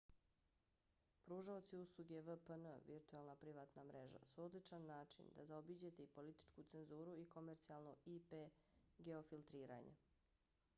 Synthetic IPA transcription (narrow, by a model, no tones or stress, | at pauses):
pɾuːʒaot̪siuslˠuɡeʋəpənəʋiɾt̪uelˠnapɾiʋaːt̪namɾeʒa̰suod̪lit͡ʂanːaːt͡ʃḭnd̪a̰zaobid͡ʑet̪eipo̞lit̪i̥t͡ʃkut̪se̞nzuːɾuikomeɾt̪sialˠnoipeɡe̞ofilt̪ɾiːɾa̰ɲḛ